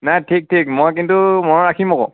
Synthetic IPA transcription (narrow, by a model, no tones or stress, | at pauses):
najtʰik̚tʰik̚mojkintumɔɹɔɹakʰimɔkɔ̰̃